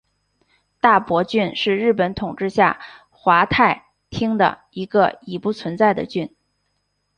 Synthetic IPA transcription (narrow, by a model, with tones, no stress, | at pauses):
t̪a˥˩pwɔ˧˥t͡ɕy˥˧nʂɻ̩˥˧ɻɻ̩˥˩pə˧˥nt̪ʰʊ˨˩ŋʈ͡ʂɻ̩˥˧ɕja̰˥˩ | xwa˧˥t̪ʰa˥˩ɪ | t̪ʰi˥ŋd̪ə̰˩ | i˧˥ɡə̰˧i˧˨˩pu˥˩t͡sʰwə˧˥nt͡sa˥˩ɪd̪ə̰˩t͡ɕy˥˩n